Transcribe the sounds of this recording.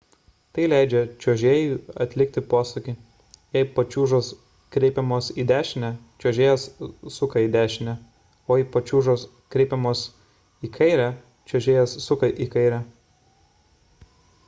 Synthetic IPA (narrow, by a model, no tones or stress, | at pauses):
t̪ɐɪlʲæˑɪd͡ʒʲɛt͡ʃʲoːʒʲeːjuːɐt̪ʲlʲɪk̚t̪ʲɪpoːsʊkʲi | jɛɪpɐt͡ʃʲuːʒoːs | kɾʲɛɪpʲɛmoːsiːd̪ʲæːʃʲɪnʲɛ | t͡ʃʲoːʒʲeːjɛssʊkɐiːd̪ʲæːʃʲɪnʲɛ | oːiːpɐt͡ʃʲuːʒoːs | kɾʲɛɪpʲɛmoːs | iːkʰɐɪɾʲæ | t͡ʃʲoːʒʲeːjɛsːʊkɐʔiːkɐɪɾʲæ